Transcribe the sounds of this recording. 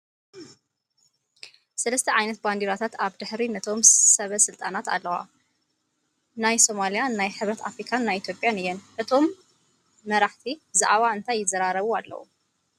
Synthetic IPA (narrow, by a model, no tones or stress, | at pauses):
sɐlɐst̪ʰɐʕajnɐt̪̚band̪iɾat̪ʰat̪aβd̪ɨħɾinɐt̪ʰo̞msɐβɐsɨlt̪ʼanat̪a̰lːɐwa̰ | najso̞malijanːajħɨβɾɐt̪a̰fɾikʰanːajit̪jo̞pʼjanɨjːɛnʔɨt̪ʰo̞mː | ɐɾaħt̪ʰibza̰ʕβaɨnt̪ʰajːɪzɐɾaɾɐβualːɐ̰wṵ